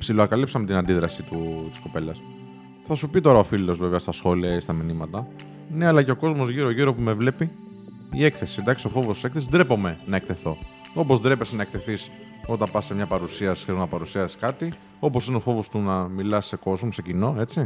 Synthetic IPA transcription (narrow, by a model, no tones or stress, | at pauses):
psiloɐkɐlipsɐmet̪inɐnd̪iðɾɐsit̪ut̪i̥sko̞pe̞lɐs | θɐsupit̪o̞ɾɐo̞filo̞zveveɐst̪ɐsxo̞liɐist̪ɐminimɐt̪ɐ | ne̞ɐlɐceoko̞zmo̞zʝiɾoʝiɾo̞pume̞vle̞pi | ie̞kθe̞sind̪ɐksio̞fo̞vosse̞kθeizd̪ɾe̞po̞me̞nɐek̚t̪e̞θo̞ | o̞pozd̪ɾe̞pe̞senɐekt̪e̞θis | o̞t̪ɐmpɐsemɲɐpɐɾusiɐsi̥sçeɾonɐpɐɾusiɐsi̥skɐt̪i | o̞po̞sineo̞fo̞vo̞st̪unɐmilɐse̞ko̞zmosecino̞e̞t͡si